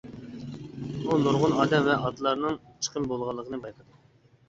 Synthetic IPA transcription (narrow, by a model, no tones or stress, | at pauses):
bunoɾʁʊnɑːd̪ɛmvɛʔɑd̪ɨlˠɑɾnɨŋt͡ʃʰə̥qʰəmbolˠʁɑlˠːəqʰənɨbɑjqʰəd̪ʊ